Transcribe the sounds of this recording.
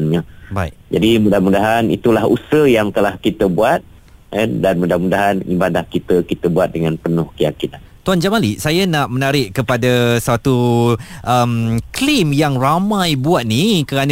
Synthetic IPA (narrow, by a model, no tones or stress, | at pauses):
nɲabaiʔd͡ʒadimudahmudaɦanḭt̪ulahṵsəhjaŋkəlahkit̪əbuat̪̚ | əndanmudahmudaɦanḭbanlahkit̪əkit̪əbuat̪̚dəŋanpənʊhkəjakinant̪uand͡ʒaʔmaliʔsajanaʔmənaɾɪʔkəpadasat̪uʔəmklimjaŋramãjbuat̪̚nikəɾan